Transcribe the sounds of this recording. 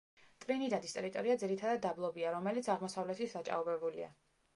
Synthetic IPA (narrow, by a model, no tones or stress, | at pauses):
t̪ʼvɾinid̪ad̪ist̪ʼɛɾit̪ʼɔɾiad̪ziɾit̪ʰad̪ad̪̚ːablˠɔbiaɾɔmɛlit̪sʰaʁmɔsavlɛt̪ʰisat͡ʃʼa̰ɔbɛbulḭa̰